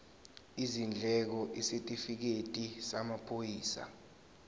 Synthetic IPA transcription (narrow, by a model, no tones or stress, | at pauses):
izind͡ɮʱɛk̬ɔʔisetʼifik̬etʼisamapʰojiːsa̰